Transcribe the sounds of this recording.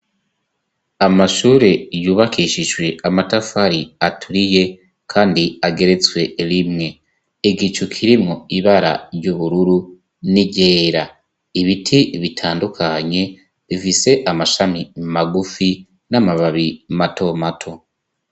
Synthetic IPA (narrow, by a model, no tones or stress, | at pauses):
amaʃuːɾe̞juːβakʰiʃiʒɡwe̞amatafaɾiatʰuɾije̞ | kʰaːndiaɡe̞ɾe̞t͡swe̞ɾimŋe̞ | iɡit͡ʃukʰiɾimŋo̞iβaɾa̰ɾjɟuβuɾuɾu | niɟe̞ːɾa | iβitʰiβitʰaːndukʰaɲe̞ | βifise̞ʔamaʃamimaɡufi | namaβaβimato̞matʰo̞